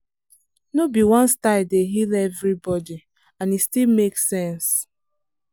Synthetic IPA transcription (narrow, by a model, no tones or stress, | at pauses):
nobiwɔ̃nstaɪdeɦilɛvɹibɔdi | ãnistilmeksɛ̃ns